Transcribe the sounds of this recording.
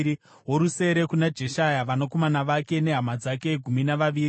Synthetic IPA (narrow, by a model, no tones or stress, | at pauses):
i | ɦo̞ɾuse̞ɾe̞kunad͡ʒe̞ʃajaʋanoko̞manaʋake̞ne̞ɦamad͡zake̞ɡʱuminaʋaʋiːɾi